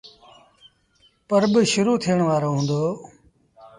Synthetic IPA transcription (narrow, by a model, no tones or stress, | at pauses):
pəɾbɪʃʊɾuːt̪ʰijəɳ̃ʋaːɾoːɦũːnd̪oː